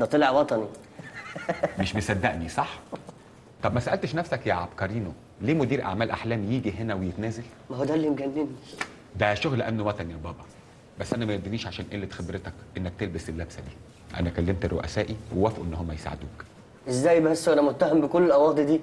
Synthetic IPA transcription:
d̪æt̪ˤeleʕwɑt̪ˤɑni | meʃbesæd̪ːæʔnisˤɑħ | t̪ˤɑbmæsæʔælt̪eʃnæfsækjæʕɑbkɑɾiːno | leːmod̪iːɾʔa̰ʕmæːlʔaħlæːmjiːɡiɦenæwejet̪næːzæl | mæhod̪ælːimɡænːeni | d̪æʃoɣlʔæmnwæt̪ˤɑnijæbɑːbɑ | bæsːʔænæmæjed̪iniːʃʕaʃæːnʔelːet̪xebɾet̪ækʔenːæk̚t̪elbeselːæbsæd̪iː | ʔæ̰nækælːemt̪rːo̰ʔæ̰sæːʔiwewæfʔṵʔenːhomːæjesa̰ʕḛd̪uːk | ʔezːæːjbæsːʔænæmot̪ːæhembekolːelʔæwɑːd̪ed̪iː

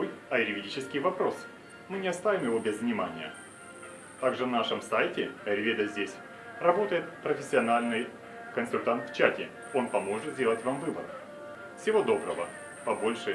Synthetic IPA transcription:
jɐɪɾʲvʲɪdʲit͡ɕɪskʲɪjvɐpɾo̞s | mɨnʲɪɐst̪avʲɪmjɪvo̞bʲɪzvnʲɪmanʲɪjə̰ | t̪aɡʐɨvnaʂɨmsajtʲɪɐɾʲvʲed̪əzʲdʲesʲ | rɐbo̞t̪əjɪt̪pɾəfʲɪsʲːɪɐnalʲnɨj | kənsʊlʲt̪ant̪ft͡ɕætʲɪ | o̞npɐmo̞ʐɨt̪zʲdʲe̞lˠətʲvamvɨbə̰ɾ | fsʲɪvo̞d̪o̞bɾəvə | pɐbo̞lʲʂɨ

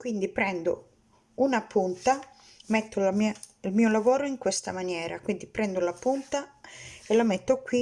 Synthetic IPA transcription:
kwind̪ipɾɛnd̪o̰ | unapunt̪a | met̪ːolamia | ilmiːolavoːɾoiŋkwest̪a̰manjɛːɾa̰kwind̪ipɾɛnd̪olapunt̪aelamɛt̪ːokwi

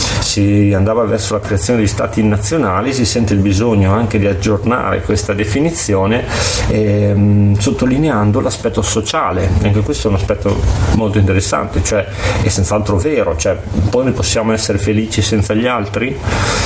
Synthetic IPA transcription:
siand̪aːvavɛrsolakɾeat̪sjoːndist̪a̰ːt̪inat̪sːjonaːlis̬isɛnt̪eilbizoɲːoaŋk̟ed̪iad͡ʒːorna̰ːɾḛkwest̪ad̪efinit̪sːjoːneɛ | sot̪ːolineand̪olaspɛt̪ːosot͡ʃaːleaŋkekwest̪oɛunaspɛt̪ːo̰molt̪oint̪eɾesːa̰nt̪et͡ʃoɛ | ɛsːent̪saalt̪ɾoveːɾot͡ʃoɛpɔjnojposːjaːmoɛsːeɾefeliːt͡ʃisɛnt̪saʎːialt̪ɾi

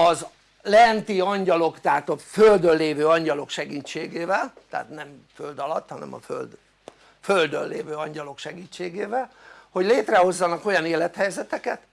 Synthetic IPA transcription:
ɒz | lɛnt̪iɒɲɟɒlo̞kt̪ɛɦat̪ɒføld̪ølːeːvøːɒɲɟɒlo̞kʃɛɡiːt͡ʃːeːɡeːvɛlt̪ɛ̰a̰t̪nɛmføld̪ɒlɒt̪ːhɒnɛ̰mɒ̰fø̰ld̪ | føld̪ø̰nːḛːvøːɒɲɟɒlo̞kʃɛɡiːt͡ʃːeːɡeːvɛlho̞ɟleːt̪rɛho̞zːɒnɒko̞jɒneːlɛt̪hɛjzɛt̪ɛkɛt̪

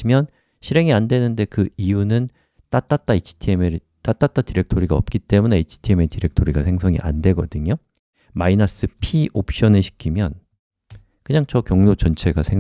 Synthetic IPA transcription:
imjʌn | ɕʰiɾe̞ŋiandwe̞nɯnde̞kɯijunɯn | t͈at͈at͈ait͡ɕʰi̥tʰiemeɾ | t͈at͈at͈atiɾe̞k̚tʰoɾiɡaʌ̰p̚k͈it͈e̞mune̞it͡ɕʰi̥tʰiemetiɾe̞k̚tʰoɾiɡasʰe̞ŋsʰʌŋḭʔa̰ndwe̞ɡʌdɯɲo | mainas͈ɯpʰiʔop̚ʰɕ͈ʌnɯɭɕʰi̥kʰimjʌn | kɯɲaŋt͡ɕʌkjʌŋnot͡ɕʌnt͡ɕʰe̞ɡasʰe

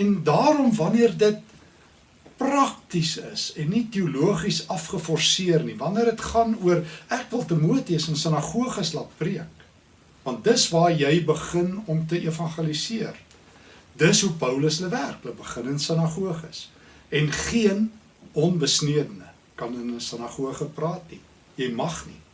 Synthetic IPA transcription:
ɛndɑːɾɔmvɐniərdət̚ | prɐktisə̰sɛnːitiuluəχisɐfχəfɔrsiərnivɐniərdətχɐnuərækvəlˠtəmuətiəsənsənɐχuəχəslɐt̚priək | vɐnt̚dəsvɑːrjɛjbəχənɔmtəʔiəfɐnχelisiər | dəsɦupəwləsləværklək̚bəχənənsənɐχuəχəs | ɛnχiən | ɔnbəsniədənə | kɐnənəsənɐχuəχəprɑːtni | jɛjmɐχnḭ

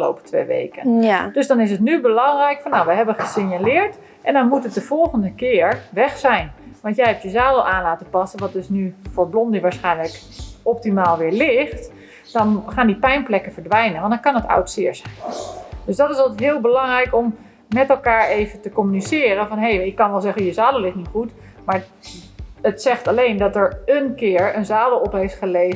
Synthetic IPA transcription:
əlo̰ːwpə̥tʰʋḛʋḛjkəndøsdɔnɪs̬ətnybəlɑŋrɛjkfɔnːawʋəɦɛbənχəsɪɲjalɪːɹt | ʔɛndɔnmutət̚dəv̥ɔlˠχəndəkɪːəɹʋɛχsɛjnʋɑntjɛjhɛp̚tjəzɛːlˠʋɛlˠʔaːnlaːtəpɑsənʋɑt̚døsnyfʊːɹblɔndiʋaːɹsχɛjnlək | ɔp̚timaːlˠʋɪːɹlɪχt | d̥ɔnχaːndipɛjnplɛkəfəɹdʋɛjnənʋɑndɔnkɑnəta̰wtsɪːɹzɛjnd̥øsdɔtɪsɔlˠtɦɪːəlˠbəlɑŋrɛjkɔmː | ɛtɛlˠkaːɹejvətəkomynisɪːrənfɔnɦejɪkːɑnʋɛlˠzɛχəjəzaːdəlˠlɪχtnitχut | maːɹ | ətsɛχtalejndɔtəɹənkɪːəɹənzaːdəlˠɔpɦejftχəleː

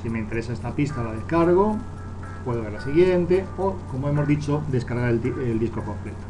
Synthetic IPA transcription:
simeint̪e̞ɾe̞saest̪apist̪alaðekaɾɣ̞o̞ | pwe̞ðoeɾlasiɣ̞je̞nt̪e̞oko̞moe̞mo̞zðit͡ʃod̪e̞skaɾɣaɾeield̪isko̞komplet̪o̥

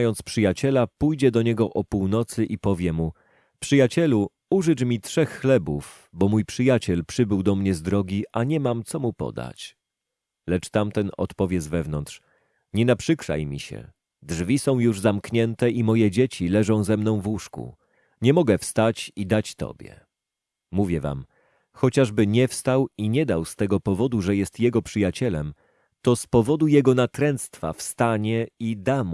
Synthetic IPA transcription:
jɔnt̪spʂɘjat͡ɕɛlapujd͡ʑɛd̪ɔɲɛɡɔʔɔpuwnɔt̪sɘʔipɔvʲjɛmu | pʂɘjat͡ɕɛlu | uʐɘt͡ʂmʲitʂɛxːlɛbuf | bɔmujpʂɘjat͡ɕɛlpʂɘbɘwd̪ɔmɲɛzd̪ɾɔɡʲiʔaɲɛmamt̪sɔmupɔ̰d̪a̰t͡ɕ | lɛt͡ʂt̪amt̪ɛnɔ̰t̪pɔvʲjɛzvɛvnɔnt̪ʂ | ɲɛnapʂɘkʂa̰jmʲḭɕɛ̰ | dʐvʲisɔ̃w̃juʐzamkɲɛnt̪ɛimɔjɛd͡ʑet͡ɕilɛʐɔ̃w̃zɛmnɔ̃w̃vwuʂkṵ | ɲɛmɔɡɛfst̪at͡ɕid̪at͡ɕt̪ɔ̰bʲjɛ̰ | muvʲjɛva̰m | xɔt͡ɕaʐbɘɲɛfst̪awiɲɛd̪awst̪ɛɡɔpɔvɔd̪uʐɛjɛst̪jɛɡɔpʂɘjat͡ɕɛlɛm | t̪ɔspɔvɔd̪ujɛɡɔnat̪ɾɛnt̪st̪fa̰fst̪aɲɛid̪am

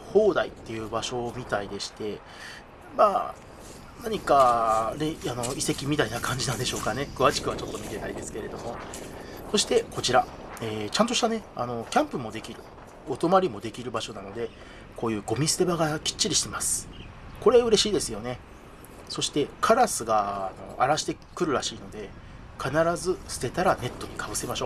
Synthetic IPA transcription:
ho̞ːd̪ait̪ːe̞jɯ̟ːbaɕo̞ːmʲit̪aid̪e̞ɕi̥t̪e̞ | maː | naɲ̟ikane̞ano̞ise̞kʲimʲit̪ainakãɲ̟d͡ʑinãnd̪e̞ɕo̞ːkane̞kɯβaɕi̥kɯ̟βat͡ɕo̞t̪ːo̞mʲit̪e̞na̰id̪e̞sɨ̥keɾe̞d̪o̞mo̞ | so̞ɕi̥t̪e̞ko̞t͡ɕiɾaeːt͡ɕãnt̪o̞ɕi̥t̪ane̞a̰no̞kʲãmpɯ̟mo̞d̪e̞kʲiɾɯ̟ | ot̪o̞maɾʲimo̞d̪e̞kʲiɾɯ̟baɕo̞nano̞d̪e̞ | ko̞ːjɯ̟ːɡo̞mʲisɨ̥t̪e̞baɡakʲi̥t͡ɕːiɾiɕi̥t̪e̞masɨ̥ | ko̞ɾe̞ɯ̟ɾe̞ɕiːd̪e̞sɨjo̞ne̞ | so̞ɕi̥t̪e̞kʰaɾasɨɡaːno̞a̰ɾaɕi̥t̪e̞kɯ̟ɾɯ̟ɾaɕiːno̞d̪e̞ | kʰanaɾazɨsɨ̥t̪e̞t̪aɾane̞t̪ːo̞ɲ̟ikʰabɯ̟se̞maɕo̞ː

